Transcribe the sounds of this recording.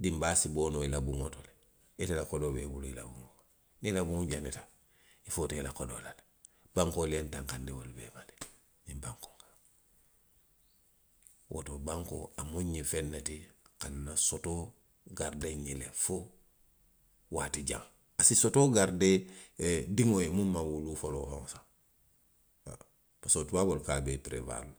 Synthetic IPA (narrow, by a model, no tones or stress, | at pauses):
dimbaːsiboːnoilabuŋotole | etelakodobeːbuluila̰buŋoka | nilabuŋɟanetḁ | ifotoelakodo̰lale | baŋkolijentãŋkandewolubḛːmale̥ | nĩmbaŋko̥ŋkḁŋ | wʔo̰tobaŋko̰amuɲːifenːatikanːasoto | ɡaɾdeɲilefu | waːtiɟa̰ŋ | asisotoɡaɾde | diŋojemumːawulufoloho̰ŋsa | pasotuwabolkabepɾḛva̰lu